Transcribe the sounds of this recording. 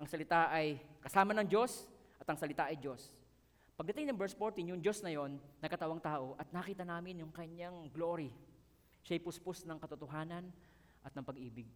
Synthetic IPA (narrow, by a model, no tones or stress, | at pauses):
ʔɐŋsɐlɪt̪aʔɐjkɐsaːmɐnɐŋd͡ʒo̞s | ʔɐt̪ɐŋsɐlɪt̪aʔɐjd͡ʒo̞s | pɐɡ̚d̪ɐt̪ɪŋnɐŋbɛɹsfoɹt̪injʊŋd͡ʒo̞snɐjo̞nːɐɡkɐt̪ɐwaŋt̪aːʔo̞ʔɐt̪̚nakiːt̪ɐnaːmɪnjʊŋkɐɲjaŋɡlo̞ɾi | ʃajpʊspʊsnɐŋkɐt̪ʊt̪oɦaːnɐn | ʔɐt̪nɐŋpɐɡʔiːbɪɡ̚